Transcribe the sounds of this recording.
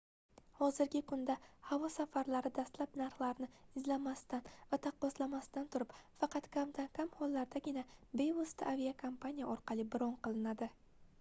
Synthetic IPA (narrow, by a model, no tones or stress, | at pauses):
hɒzɪɾɡʲɪkʰʊnd̪ahavɒsafaɾlaɾɪd̪ast̪lapnaɾχlˠaɾnɪɪzlamast̪anvat̪ʰɑqːɒslamast̪ant̪ʰʊɾɪpfɑqɑt̪kʲʰamt̪ʰankʲʰamhɒlːaɾd̪aɡʲɪnabe̞jost̪ʰaʔavijakʰompʰanʲijaɒɾqɑlˠɪbɪɾɒnqɨlˠɪnad̪ɪ